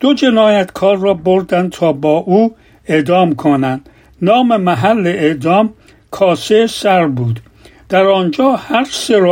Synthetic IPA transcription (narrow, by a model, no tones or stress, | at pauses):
d̪̥od͡ʒe̞nɒːjæt̪kʰɒːɾːɒːboɾd̪ænd̪̚t̪ʰɒːbɒːʔuː | e̞d̪ɒːmkʰonænd̪̥ | nɒːmemæɦælːeeʔd̪ɒːm | kʰɒːsesæɾbuːd̪ | d̪̥æɾɒːnd͡ʒɒːhæɾseɾ